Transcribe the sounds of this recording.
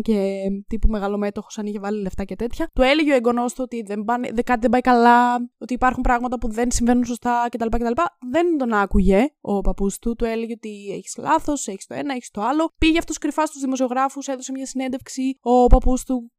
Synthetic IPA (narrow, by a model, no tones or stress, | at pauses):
cet̪ipume̞ɣɐlo̞me̞t̪o̞xo̥sɐniçevɐlile̞ft̪ɐce̞t̪e̞t̪çɐt̪ue̞leʝeoeɡo̞no̞st̪ot̪iðembɐnekɐt̪iðebɐjkɐlɐo̞t̪iːpɐɾxumpɾɐɣmɐt̪ɐpuðe̞nsiɱve̞nunso̞st̪ɐce̞t̪ɐlipɐcet̪ɐlipɐðe̞nd̪o̞nɐkuʝe̞o̞pɐpust̪ut̪ue̞leʝeot̪ie̞çi̥slɐθo̞seçi̥st̪o̞e̞nɐeçi̥st̪o̞ɐlo̞piʝeɐft̪uskɾifɐst̪uzðimos̬io̞ɣɾɐfuse̞ðose̞mɲɐsine̞nd̪e̞fksio̞pɐpust̪u